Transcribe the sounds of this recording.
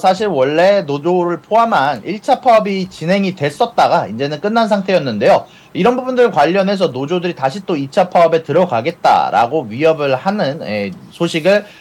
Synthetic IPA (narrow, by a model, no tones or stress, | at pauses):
sʰaɕʰiɾwʌɭːe̞nod͡ʑoɾɯɭpʰoɦamɦaniɭt͡ɕʰapʰaʌbit͡ɕinɦe̞ŋitwe̞s͈ʌt̚t͈aɡaind͡ʑe̞nɯnk͈ɯnːans̬ʰaŋtʰe̞jʌnːɯnde̞jo | iɾʌnbubundɯɭkwaʎːʌnɦe̞s̬ʰʌnod͡ʑodɯɾitaɕʰit͈oit͡ɕʰapʰaʌbe̞tɯɾʌɡaɡe̞t̚t͈a̰ɾa̰ɡoɥijʌbɯɭhanɯnesʰoɕʰiɡɯɭ